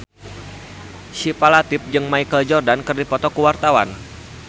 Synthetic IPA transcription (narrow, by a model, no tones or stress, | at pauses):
sipalat̪ɪp̚d͡ʒɨŋmaikəld͡ʒɔrdankərdipɔt̪ɔkəwart̪awan